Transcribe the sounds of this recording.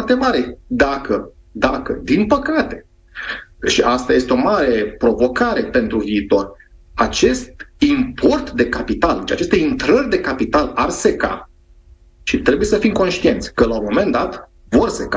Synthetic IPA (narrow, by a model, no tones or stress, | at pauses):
rt̪e̞maɾe̞d̪akə | d̪akəd̪inpəkat̪e̞ | ʃiʔast̪aje̞st̪eo̞maɾe̞pɾo̞vo̞kaɾe̞pe̞nt̪ɾuviːt̪o̞rʲ | at͡ʃe̞st̪impʰo̞rt̪d̪e̞kapit̪ald̪et͡ʃat͡ʃe̞st̪eint̪ɾərʲd̪e̞kapit̪alarse̞ka̰ | ʃit̪ɾe̞buje̞səfimko̞nʃt̪ie̞nt̪sʲkəlaumo̞me̞nd̪at̪ | vo̞rse̞ka